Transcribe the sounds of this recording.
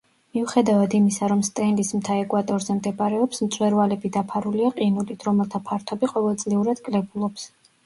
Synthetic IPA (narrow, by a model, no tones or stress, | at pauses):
miuχɛd̪avad̪imisaɾɔmst̪ʼɛnlismt̪ʰaɛkʼwat̪ʼɔɾzɛmd̪ɛpʼaɾɛɔpsmt̪sʼwɛɾvalɛbid̪apʰaɾuliaqʼinulit̪ʰɾɔmɛlˠt̪ʰapʰaɾt̪ʰɔbiqʼɔvɛlˠd̪zʼliuɾad̪kʼlɛbulˠɔps